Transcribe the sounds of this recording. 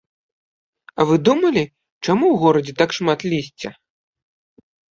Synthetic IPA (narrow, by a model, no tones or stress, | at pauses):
ɐvɨd̪umɐlʲi | t͡ʂamuwɣɔɾɐd͡zʲɛt̪akʂmat̪lʲisʲt͡sʲɐ̰